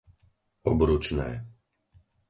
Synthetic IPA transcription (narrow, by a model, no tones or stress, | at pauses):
ɔbɾut͡ʃnɛː